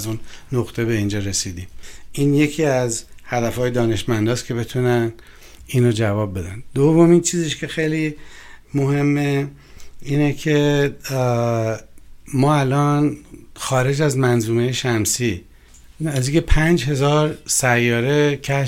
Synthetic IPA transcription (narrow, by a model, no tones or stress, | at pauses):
zunnoɣt̪ʰe̞be̞ind͡ʒɒɾe̞sid̪iːmiːnje̞cʰiːæzhæd̪æfɒːjed̪ɒːneʃmænd̪ɒːscʰe̞be̞t̪ʰunæn | iːnod͡ʒævɒːb̚ːe̞d̪æ̰nd̪ovo̞mint͡ʃʰiːziʃcʰe̞xe̞jlimohe̞mːe | iːnecʰe̞ | mɒːælɒnxɒːɾe̞d͡ʒæzmænzuːme̞jeʃæmsiː | æzikʰe̞pʰænd͡ʒɦe̞zɒːɾsæjːɒːɾe̞cʰæ